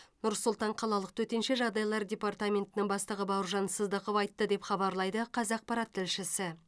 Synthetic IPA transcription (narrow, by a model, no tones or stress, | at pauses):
nʊɾsʊlˠt̪ɑɴqʰɑlˠɑlˠəq̚t̪ʰɵt̪e̞nʃe̞ʒɑʁd̪ɑjlˠɑɾdʲe̞part̪amʲe̞nt̪ɪnɪŋbɑst̪əʁəbɑwʊɾʒɑnsəzd̪əqovɑjt̪ːəd̪e̞pχɑbɑɾlˠɑjd̪əqʰɑzɑq̚pɑɾɑt̪ʰːɪlʃɪsɪ